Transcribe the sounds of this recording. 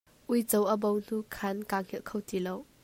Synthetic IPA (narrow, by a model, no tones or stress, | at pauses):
ʔujt͡sowʔəbɔwn̥ukʰɐnkaŋ̥hɛlkʰowtilow